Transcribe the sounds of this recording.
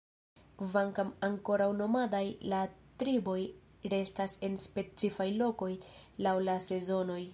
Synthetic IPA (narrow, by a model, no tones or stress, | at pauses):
kvaŋkamaŋko̞ɾawno̞madajlatɾibo̞j | ɾe̞stase̞nspe̞t͡sifajlo̞ko̞jlawlase̞zo̞no̞j